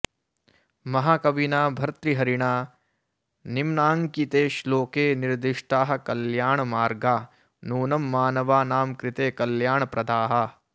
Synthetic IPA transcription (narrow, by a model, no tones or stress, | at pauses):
mɐɦaːkɐʋinaːbʱɐɾt̪ɾiɦɐɾiɳaː | nimnaːŋkit̪eːʃloːkeːniɾd̪iʂʈaːɦɐ̆kɐljaːɳɐmaːɾɡaː | nuːnɐmːaːnɐʋaːnaːmkɾit̪eːkɐljaːɳɐpɾɐd̪aːɦɐ̆